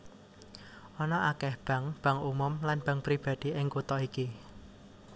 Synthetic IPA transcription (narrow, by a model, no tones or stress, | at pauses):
ʔɔnɔʔakɛhb̥ä̤ŋb̥ä̤ŋumʊmlanb̥a̤ŋpɾib̥ä̤d̪̥i̤ʔɪŋkut̪ɔiki